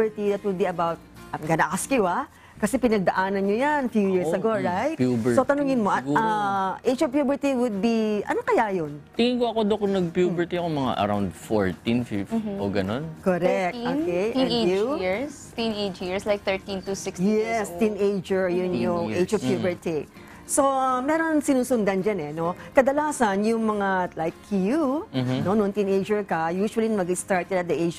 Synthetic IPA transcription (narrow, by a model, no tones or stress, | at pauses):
ɛɹt̪iðɐt̪̚wʊd̪̚biɐbawt̪̚ɐmɡɐnakɐskjua | kɐsɛpɪnɐɡ̚d̪ɐʔaːnɐnɲojanfjujɪɹsɐɡoɹajt̪pubsot̪ɐnʊŋɪnmoʔɐtaʔet͡ʃovpjuːbɛɹt̪iwʊd̪̚biʔɐ̰nokɐjajont̪ɪŋɪŋkoɐkod̪ok̚ŋnɐɡ̚pjubɛɹt̪ikomɐŋa̰ʔɐ̰ɾa̰wnd̪fo̰ɹt̪ĩnfḭvoɡɐnonkoɾɛk̪̚onkeʔuɹs | t̪ĩned͡ʒiɹslajk̚θɛ˞ɹt̪ĩnt̪usɪksjɛst̪ĩnʔejd͡ʒɛɹjʊnjʊŋʔejd͡ʒɔvpjubɛɹt̪i | so̞mɛːɾo̞nsɪnuːsʊnd̪ɐnd͡ʒanɛno̞kɐd̪ɐlaːsɐnjʊŋmɐŋalajkʰːjuno̞nont̪ĩnʔed͡ʒɛɹkɐjuːʃuɐlinmɐɡɪst̪aɹt̪ɛd̪ɐt̪̚d̪ɐʔejd͡ʒ